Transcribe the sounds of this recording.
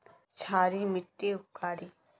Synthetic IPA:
t͡ʃʰaːɾimɪʈːiʊkːaːɾiː

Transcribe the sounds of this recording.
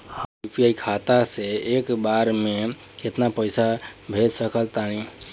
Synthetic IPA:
həipijaikʰat̪aseekbaɾme | ket̪napəɪsabʱed͡ʒsəkəlt̪ani

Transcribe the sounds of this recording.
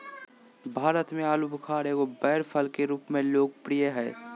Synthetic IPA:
bʱaːɾət̪mẽaːlubʊkʰaːɾekobɛːɾpʰəlkeɾuːpmẽloːɡ̚pɾijəɦɛː

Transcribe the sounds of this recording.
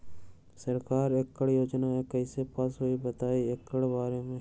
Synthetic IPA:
sɐɾkaːɾekːəɽjoːd͡ʒnaekɐisepaːsɦoibɐt̪aːiekːəɽbaːɾemẽ

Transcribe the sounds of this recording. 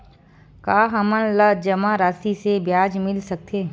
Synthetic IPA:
kaːɦɐmənləd͡ʒɐmaɾaːsisebjaːd͡ʒmɪlsɐk̚t̪ʰeː

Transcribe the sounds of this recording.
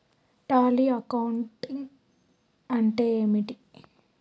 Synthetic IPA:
ʈaːliɐkɐwɳʈiŋ | ɐɳʈeːmiʈi

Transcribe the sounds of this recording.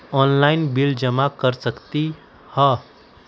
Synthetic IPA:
ɔnlaɪnbild͡ʒəmakəɾsəkt̪i | hʌ

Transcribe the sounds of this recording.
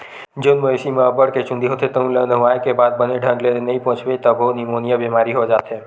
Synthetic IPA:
d͡ʒonmoesimeəbəɽket͡ʃʊ̃nd̪iɦot̪ʰet̪əɦũlənəɦũaːjkebaːd̪̚bəneɖʱə̃ŋɡleenɐɦĩpɔ̃ɦt͡ʃʰʋet̪əbɦonimonijabemaːɾiɦod͡ʒaːt̪ɦe

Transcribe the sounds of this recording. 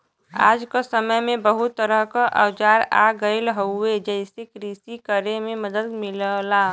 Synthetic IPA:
a̰ːd͡ʒkasəməjmẽbəɦʊt̪ːəɾəɦkaʔəwd͡ʒaːɾa̰ɡəɪlɦoed͡ʒəɪsekɾisikəɾemẽməd̪əd̪mɪllaː

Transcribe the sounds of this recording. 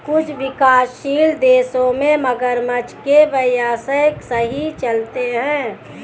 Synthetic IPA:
kʊt͡ʃʰʋɪkaːsʃiːld̪eːsõmẽməɡəɾmət͡ʃkeʋəjaːsəjksəɦit͡ʃəlt̪eɦɛ̃ː

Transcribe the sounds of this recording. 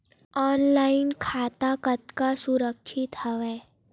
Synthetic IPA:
ɔːnlaːɪnkʰaːt̪akət̪kasʊɾəkʃʰɪt̪ɦəʋɛː

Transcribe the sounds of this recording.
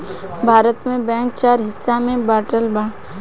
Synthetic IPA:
bʱaːɾət̪mẽbɛ̃ːŋk̚t͡ʃaːɾɦɪsːamẽbaːʈəlbãː

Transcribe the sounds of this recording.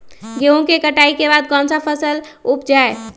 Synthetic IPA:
ɡeũkekəʈaikebad̪̚ɡɔ̃nsapʰəsəlup̚d͡ʒae

